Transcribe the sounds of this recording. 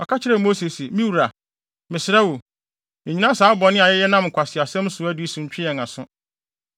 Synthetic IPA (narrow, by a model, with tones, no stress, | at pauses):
ɔ˨kʰa˦t͡ɕʰɪ˦ɾɛ˨mo˦se˨si˨mĩ˦wu˨ɾa˨ | mɪ̃˨sɪ˨ɾɛ˦wo˨ | ɛ̃˨ɲi˦nã˦saː˨˦bɔ˨nɪ̃˦a˨jɛ˦jɛ˦nã˦m˨kʷʰa˨sɪ˨a˨sɛ̃˦m˦sʊ˨˦æ˦di˨˦i˦sũ˨m˦t͡ɕᶣɪ˦ɛ̃˨na˨sʊ̃˦